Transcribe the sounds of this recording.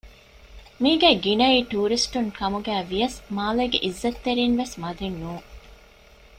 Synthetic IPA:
miːɡæːɡinɐiːʈuːɾisʈuŋkɐmuɡæːʋijɐsmaːleːɡḛʔizːɐt̪ːeɾiːnʋesmɐd̪enːuː

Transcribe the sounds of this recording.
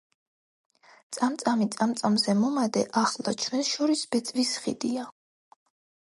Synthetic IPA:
t̪sʼamt̪sʼamit̪sʼamt̪sʼamzɛmɔmad̪ɛʔaχla̰t͡ʃʰwɛnsʃɔɾisbɛt̪sʼvisχḭd̪ia

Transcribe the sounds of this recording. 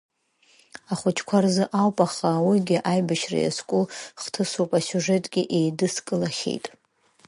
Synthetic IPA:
aχʷʊt͡ʃʰkʷʰarzɨʔawpʼaχawiɡʲɪʔajbaʃra̰ja̰skʷʼuχtʰɨsopʼasʲuʐetʼɡ̥ʲɪʔe̞jdɨskʼɨlaχʲḛjtʼ

